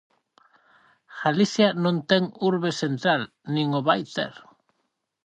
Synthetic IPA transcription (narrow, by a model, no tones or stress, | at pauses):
ɣ̥aliθjanõnt̪ɛŋuɾβesent̪ɾal | nĩŋʊβajt̪ɛ̰ɾ